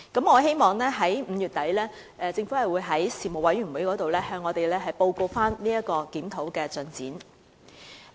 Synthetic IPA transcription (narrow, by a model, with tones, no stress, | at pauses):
kɐ˨˥mŋɔː˨˧ɦe˥jmɔː˨˩ŋlɛː˥ɦɐ˨˥jm̩˨˧jyː˨˩t̪ɐ˨˥jlɛː˥ | ɛ˧t͡sɪ˧ŋfuː˨˥hɐ˨˩jwuː˨˧jɦɐ˨˥jsiː˨mo˨˩wɐ˨˥jɥy˨˩nwuː˨˥jkɔː˨˥t̪o˨wlɛː˥hœː˧ŋːɔː˨˧t̪e˨jlɛː˥ɦɐ˨jpo˧wko˧wfaː˥nliː˥jɐ˥tkɔː˧kiː˨˥mt̪ʰo˨˧˥wkɛː˧t͡sɵ˨˩nt͡siː˨˥n